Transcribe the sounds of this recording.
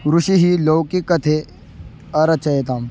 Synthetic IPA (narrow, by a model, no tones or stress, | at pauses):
ɾuʃiɦiloːkikɐt̪ʰe | ɐɾɐt͡ʃɐjet̪aːm